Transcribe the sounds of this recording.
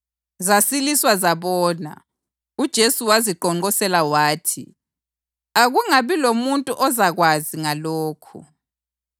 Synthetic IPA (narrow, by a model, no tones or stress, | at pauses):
zasiliswazaβɔːna̰ | ud̥ʒ̥ʱesuwaziǃɔŋ͡ǃɔsɛlawaːtʰḭ | aɣuŋaβilomuntʼuʔɔzaɣwaziŋaloːkʰṵ